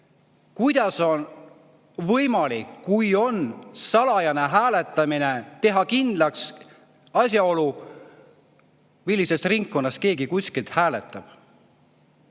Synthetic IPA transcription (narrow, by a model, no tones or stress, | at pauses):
kujd̪̥ɑso̞n | vɤjmɑlikːujo̞nsɑlɑjɑne̞ɦæːle̞t̪ˑːɑmine̞t̪e̞ɦɑkind̪̥lɑks | ɑsjɑo̞lu | milːise̞st̪riŋkːo̞nːɑst̪̚ke̞ːɡikusʲkilt̪hæːle̞t̪ːˑɑb̥